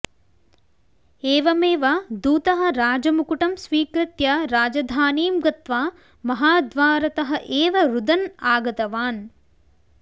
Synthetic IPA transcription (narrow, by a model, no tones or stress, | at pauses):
eːʋɐmeːʋad̪uːt̪ɐɦɐ̆ɾaːd͡ʒɐmukuʈɐmsʋiːkɾɪt̪jɐɾaːd͡ʒɐd̪ʱaːniːmɡɐt̪ʋaː | mɐɦaːd̪ʋaːɾɐt̪ɐɦɐ̆ʔeːʋɐɾud̪ɐnaːɡɐt̪ɐʋaːn